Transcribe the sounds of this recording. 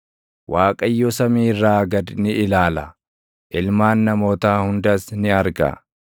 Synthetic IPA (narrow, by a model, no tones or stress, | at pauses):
waːkʼɐjːɔsɐmiːrːaːɡɐd̪nɪɪlaːlɐ | ʔɪlmaːnːɐmoːt̪aːhʊnd̪ɐsnɪɐɾɡɐ̰